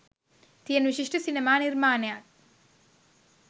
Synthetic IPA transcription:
t̪ijɐnʋiʃiʂʈɐsinemaːniɾmaːnjaːk̪

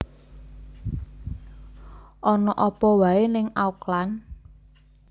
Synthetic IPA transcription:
ʔɔnɔʔɔpɔwaenɪŋauklan

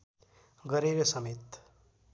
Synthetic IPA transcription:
ɡʌɾeɾesʌmet̪

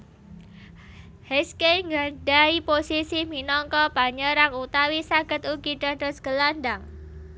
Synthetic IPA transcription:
heskeŋɡadaiposisiminɔŋkɔpaɲəɾaŋut̪awisaɡ̥ə̤t̪uɡidadɔsɡ̥əlandaŋ

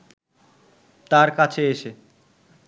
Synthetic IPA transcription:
t̪aɾkat͡ɕʰeeʃe

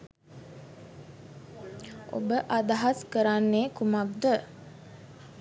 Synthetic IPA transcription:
o̰bəʔad̪aɦaskəɾanːeːkumakd̪ə

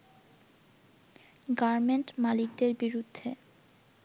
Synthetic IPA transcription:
ɡaɾmeɳʈmalik̚d̪eɾbiɾud̪ʱːe

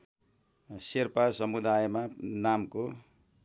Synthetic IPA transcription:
serpasʌmud̪ajmanamko

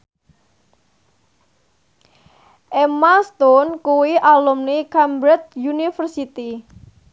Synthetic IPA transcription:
ʔemast̪ɔnkuwiʔalumnikambɾɛt̪̚junifərsit̪i

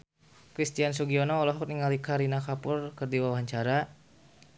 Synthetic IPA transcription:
kɾist̪ians̬uɡiɔnɔːlɔɦɔk̚niŋalikaɾinakapʊrkərdiwawɦaɲt͡ʃaɾa

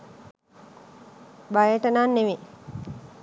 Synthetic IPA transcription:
bajəʈənanːeʋe

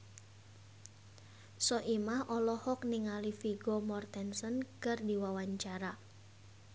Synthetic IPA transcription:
sɔʔimahʔɔlɔhɔk̚nɪŋalifiɡɔmɔrt̪ɛnsɔnkɨrdiwawaɲt͡ʃaɾa

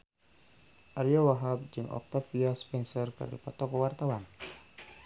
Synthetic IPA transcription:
ʔaɾiawaɦab̚d͡ʒɨŋʔɔ̰k̚t̪afiaspɛnsɔrkɨ̰rdipɔt̪ɔkɔwart̪awan

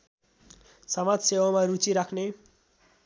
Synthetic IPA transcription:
sʌmadsewamaɾut͡siɾakʰne

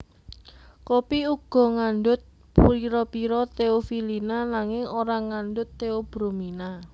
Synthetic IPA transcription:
kopiuɡ̥ɔ̤ŋanɖʊt̪̚ | puiɾɔpiɾɔt̪eofilinanaŋɪŋoɾaŋanɖʊt̪ːeob̥ɾomina

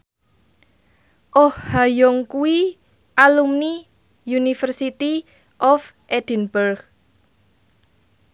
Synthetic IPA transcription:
ʔɔhhajɔŋkui | ʔalumni | junifərsit̪i | ʔɔf | ʔed̪̥i̤nbərɡ

